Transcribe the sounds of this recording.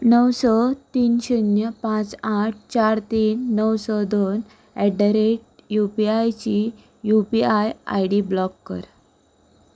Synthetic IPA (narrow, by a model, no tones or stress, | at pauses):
nəwsɔt̪iːnɕinjəpãt͡saʈ̚ʰt͡ɕaɾt̪iːnːəwsɔd̪on | ɛɖəɾeʈ̚jupiajt͡ɕi | jupiaja̰jɽiblɔkːə̰ɾ